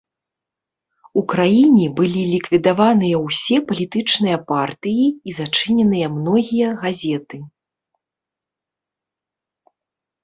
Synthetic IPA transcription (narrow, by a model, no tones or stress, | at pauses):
ukɾajinʲɛbɨlʲilʲikvʲid̪avanɨjɐwsʲɛpɐlʲit̪ɨt͡ʂnɨjɐpart̪ɨjiizat͡ʂɨnʲɛnɨjɐmnɔɣʲijɐɣazʲɛt̪ɨ